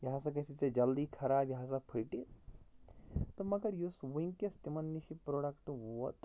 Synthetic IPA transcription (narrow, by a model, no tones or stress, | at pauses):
jɐɦãsɐk̬ɐsit͡sed͡ʒɐld̪ikʰɐɾaːbjɐɦãs̬ɐpʰiʈi | t̪omɐɡɐɾjusʋuiŋkjɐst̪imɐnːiʃipɾoːɖɐkʈuɐt̪